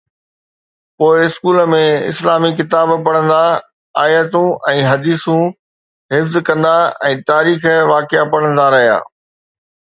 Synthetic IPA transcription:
poːɪɪskuːlmẽɪ̰slaːmikɪt̪aːbpɐɽ̃ə̃nd̪a | aːjət̪ũʔɛ̃ːɦɐd̪iːsũ | ɦɪfzkɐ̃nd̪aɛ̃ːt̪aːɾiːxʋaːkɪapɐɽ̤̃ə̃nd̪aɾɐɦija̰ː

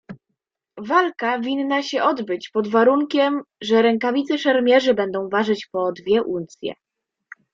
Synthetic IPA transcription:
valkavʲinːaɕɛʔɔd̪bɘt͡ɕpɔd̪vaɾuŋkʲɛmʐɛɾɛŋkavʲit̪sɛʂɛɾmʲjɛʐɘbɛnd̪ɔ̃w̃vaʐɘt͡ɕpɔd̪vʲjɛʔunt̪sʲjɛ̰

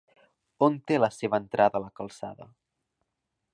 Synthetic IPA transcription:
ont̪eləseβənt̪ɾʔaðəːləkəlˠsa̰ðə̰

